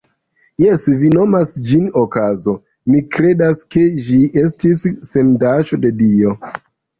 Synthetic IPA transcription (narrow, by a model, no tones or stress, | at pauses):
jesvino̞masd͡ʒinokazo̞ | mikɾe̞daske̞ʒie̞stisːe̞ndaʃo̞de̞dio̞